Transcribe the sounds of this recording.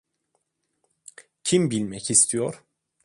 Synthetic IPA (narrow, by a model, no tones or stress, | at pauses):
cʰimbilʲmɛcist̪ʰijoɾ